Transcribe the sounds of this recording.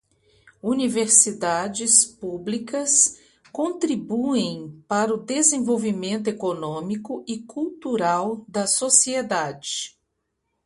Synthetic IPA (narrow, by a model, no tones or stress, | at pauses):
univeɾsid̪ad͡ʒɪspublikɐs | kõnt̪ɾibuẽj̃paɾɐʊd̪ezẽvowvimẽnt̪ʊekonõmikʊʔɪkuwt̪uɾawd̪ɐsosied̪ad͡ʒɪ